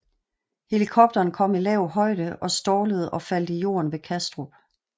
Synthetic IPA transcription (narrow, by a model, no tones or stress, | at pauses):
he̝likʰɒ̽b̥̚d̥ɐːnkʰɒ̽m̰ilɛʊhɒ̽ɪ̰d̥əɒ̽sd̥ɒːləð̞̩ˠɒ̽fæl̰d̥ijo̝̰ːɐnʋe̝kʰæsd̥ʁob̥